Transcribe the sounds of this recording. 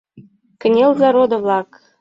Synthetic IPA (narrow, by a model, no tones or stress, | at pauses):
kɘ̆nʲelzɑɾod̪ɤ̆vlˠɑk